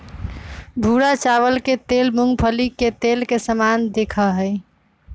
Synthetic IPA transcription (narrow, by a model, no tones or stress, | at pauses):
bʱuɾat͡ʃaβəlket̪elmuŋɡpʰəliket̪elkesəmand̪ekʰəɦəɪ